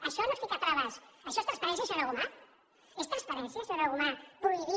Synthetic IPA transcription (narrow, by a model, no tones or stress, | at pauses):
aʃɔnost̪ikat̪ɾaβasaʃɔest̪ɾaspaɾɛnsjasaɾaɣuma | est̪ɾaspaɾɛnsjaseɾaɣumapɾuiβi